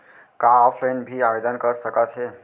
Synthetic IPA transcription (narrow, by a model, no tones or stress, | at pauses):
kaɔpʰlaɪnbʱiabed̪ənkəɾsəkət̪ɦe